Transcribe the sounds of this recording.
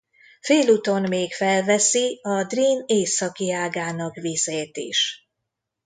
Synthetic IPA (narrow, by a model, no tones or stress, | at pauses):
feːluːt̪o̞nmeːkfɛlvɛsiɒd̪riːneːsɒkiaːɡaːnɒkvizeːt̪ḭʃ